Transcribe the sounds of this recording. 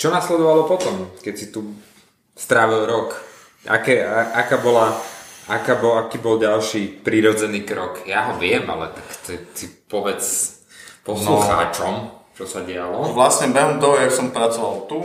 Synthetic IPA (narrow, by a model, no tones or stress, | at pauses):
t͡ʃɔnaslɛd̪ɔʋalɔpɔt̪ɔmkɛcsit̪u | st̪ɾaːʋilˠɾɔk | a̰kɛːaʔakaːbɔlaakaːbɔakiːbɔlɟalʃiːpɾiɾɔd͡zɛniːkɾɔkjaɦɔʋɪɛma̰lɛ̰t̪akt̪ɛsipɔʋɛt͡s | pɔsluxa̰ːt͡ʃɔmt͡ʃɔsaɟɛalɔʋlasɲɛbɛɦɔmt̪ɔɦɔjaksɔmpɾat͡sɔʋalt̪u